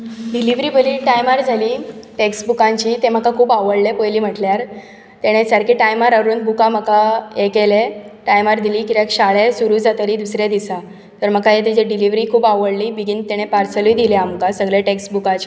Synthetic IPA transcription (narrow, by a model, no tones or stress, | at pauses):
ɖiliʋɾiːbəliːʈajmaɾd͡zʱaliːʈeksbukãɲt͡ɕiːt̪em̤əkakʰuːbaʋəɽlepojliːm̤əʈljaɾ | t̪eɽ̃esəɾkiːʈajmaɾəɾuːnbʱukam̤əkaekeleʈajmaɾd̪iliːkit̪jakɕaɭesuɾuːd͡zat̪aɾiːd̪usɾjad̪isa | t̪əɾm̤əkajet̪id͡ʑeɖiliʋɾiːkʰuːbaʋəɽliːbiɡint̪eɽ̃epaɾsəliːd̪ileamkasəɡɭeʈeksbukat͡ɕ